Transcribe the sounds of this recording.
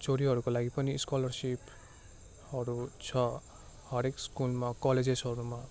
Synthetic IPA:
t͡soɾiɦʌɾukolaɡipʌniskɔlʌrsip | hʌɾut͡sʰʌ | hʌɾekskulmakɔled͡zed͡zɦʌɾuma

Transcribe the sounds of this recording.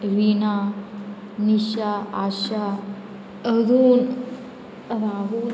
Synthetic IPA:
ʋina | niɕaaɕa | əɾuːn | ɾaɦu

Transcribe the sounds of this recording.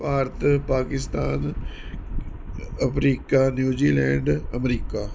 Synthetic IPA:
aːɾt̪ʰpaːkɪst̪aːn | ɐfɾiːkaːnjuːd͡ʒiːlɛ̃ːɳɖɐmɾiːkaː

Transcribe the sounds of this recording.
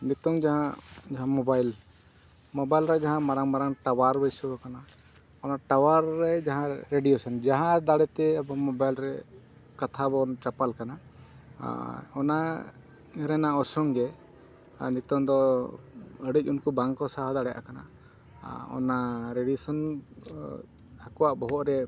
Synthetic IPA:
nit̪ɔŋd͡ʒaɦãd͡ʒaɦãmɔbajl | mɔbajlɾad͡ʒaɦãmaɾaŋmaɾaŋʈawaɾbəjsubɔkana | ɔnaʈawaɾːɛd͡ʒaɦãɾeɖijusɔnd͡ʒaɦãd̪aɽɛt̪ɛabɔmɔbajlɾɛ | kat̪ʰabɔnʈapalkana | ɔna | ɾɛnaɔsɔŋɡɛ | nit̪ɔnd̪ɔ | əɽic̚ˀunkubaŋkɔsaɦɔd̪aɽɛjʔa̰kana̰ | ɔ̰naɾeɖisɔn | akɔwaʔbɔɦɔʔɾɛ

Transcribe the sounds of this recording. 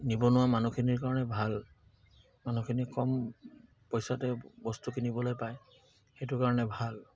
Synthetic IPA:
nibɔnʊwamanukʰiniɹkaɹɔnɛbʱal | manukʰinikɔm | pɔjsatɛbɔstukinibɔlojpaj | xetʊkaɹɔnɛbʱal

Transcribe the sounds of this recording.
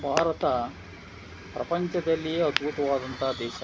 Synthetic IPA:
bʱaːɾɐt̪a | pɾʔɐpəɲt͡ʃɐd̪ɐlːieəd̪bʱut̪ɐʋaːd̪ɐnt̪ad̪eːɕa

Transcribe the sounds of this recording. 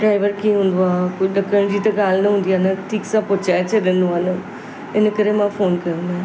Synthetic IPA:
ɖɾaːɪʋəɾkĩːɦʊ̃ːnd̪oaːkʊɗəkːəɽ̃d͡ʑiːt̪ɐ̃ɡaːlnɐɦũːnd̪ijaːnɐʈʰiːksãpʊt͡ʃaːt͡ʃʰəd̪ẽnd̪oaːnə | ɪnəkəɾemãːfoːnkɐɾə̃ːnd̪a

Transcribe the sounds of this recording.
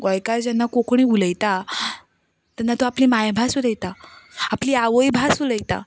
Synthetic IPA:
ɡɔjkad͡ʑanːakokɳ̃iːuləjt̪a | t̪ɛnːat̪oapliːmajbʱasuləjt̪aapliːaʋəjbʱasuləjt̪a̰

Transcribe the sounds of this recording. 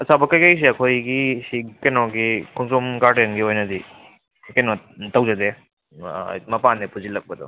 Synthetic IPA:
ɐsabɐkɐjkɐjs̬iɐkʰojɡisikenɔɡikʰuŋsumɡaɾdenɡiojnɐdi | kenɔ | tɐwzɐde | mɐpanːepuzilɐk̚pɐdɔ̰

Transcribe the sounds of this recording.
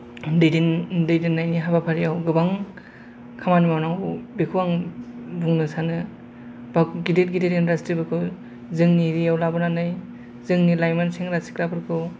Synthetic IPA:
dɯjdindɯjdinːajniɦabapʰaɾiawɡɯbaŋ | kʰamanimawnaŋwbikʰuwaŋbuŋnɯsanɯ | b̥akɡidet̚ɡidetindastɾibɯkʰɯ | zɯŋniɾiawlabɯnanɯj | zɯŋnilajmanseŋɾasi̥kɾapʰɯɾkʰɯ

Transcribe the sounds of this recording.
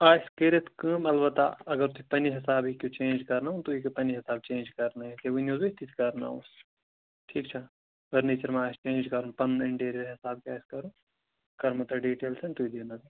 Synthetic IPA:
aːjskeɾet̪kɨmɐlbɐt̪a̰ɐɡɐɾt̪uipɐniɦɪsaːbɦikʲjut͡ʃẽːnd͡ʒkɐɾnaːũt̪uikɐpɐniɦɪsaːb̚t͡ʃẽːnd͡ʒkɐɾnaɦɛ̃t̪eʋinjuːzet̪it̪ʰi̥kɐɾna̰ːṵs | ʈʰiːkt͡ʃʰa | ʋɐɾneːt͡ʃɐɾmeaːjst͡ʃẽːnd͡ʒkɐɾunpɐnɪ̃ɳʈeːɾəɾɦɪsaːb̚kiaːjskɐɾũː | kɐɾmɐt̪ɐɖiːʈeːlsʰɐnt̪uid̪iːnad̪i

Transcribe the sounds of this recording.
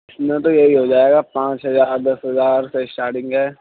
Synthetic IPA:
ɪsmẽt̪ojɐɦiɦod͡ʒaːeːɡapãːt͡ʃɦɐzaːɾd̪ɐsɦɐzaːɾseɪsʈaːɾʈɪ̃ŋɡɦɛː

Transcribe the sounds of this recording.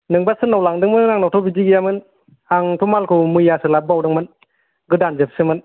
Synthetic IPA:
nɯŋbasɯnawlaŋdɯŋmɯnnaŋnɔwtʰɔbiziɡijamɯn | aŋtʰumalkʰɯmɯjasɯlab̚awdɯŋmɯn | ɡɯdanzɯp̚sɯmɯn

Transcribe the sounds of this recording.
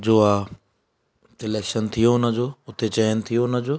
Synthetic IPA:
d͡ʑoːaː | sɪleːkʃənt̪ʰijoʊnəd͡ʑoːʊt̪ʰet͡ɕɐjənɪ̆t̪ʰijonəd͡ʑoː

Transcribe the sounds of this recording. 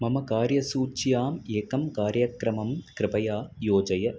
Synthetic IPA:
mɐmɐkaːɾjɐsuːt͡ʃːjaːmeːkɐmkaːɾjɐkɾɐmɐmkɾɪpɐjaːjoːd͡ʒɐjɐ

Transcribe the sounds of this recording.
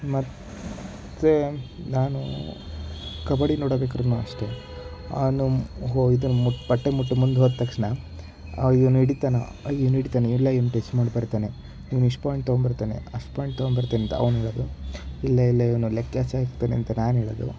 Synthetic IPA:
mɐt̪ | t̪ːenaːnṵ | kɐbɐɽinoːɽɐbeːkɐɾunuɐ̰ʂʈe̞ | ɐ̰nuɦoid̪unmuʈːpɐʈːemuʈːumund̪ɦoːd̪̚t̪ːɐkʂɳɐ | iʋɐnuiɽit̪aːna | iʋnuiɽit̪aːneiilːɐiʋnuʈesʈmaːɖibɐɾt̪aːne | iʋnuiʂʈpaːjɳʈ̚t̪ɐɡɔnbɐɾt̪eːnḛɐʂʈpaːjɳʈt̪ɐɡɔnbɐɾt̪eːneɐnt̪ɐɐ̰ʋnuɦɛɭɐd̪uilːɐilːɐiʋɐnulekːjaːsaːkt̪ːeːneɐnt̪ɐnaːnɦɛːɭod̪ṵ

